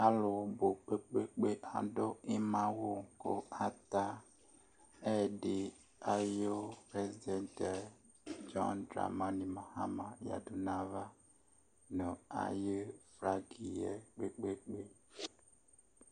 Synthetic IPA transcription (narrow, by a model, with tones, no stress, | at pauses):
a˦lo˨bo˨k͡pe˦k͡pe˦k͡pe˦ʔa̰˨ɖo˦e˦mã˦wo˦ko˦a˦t̪a˦ | ɛ˦˨ɖe˨ | a˨jo˦pɾe˨zi˨dɛ˦ntɛ˨ | d͡ʒɔ̰̃˦ndɾa̰˨mã˦nĩ˨ma˨ha̰˦mã˨ja̰˨du˨nã˦va˦ | nɔ̃˨a̰˨je˦fɾa˦ɡi˨jɛ˨k͡pe˦k͡pe˦k͡pe˦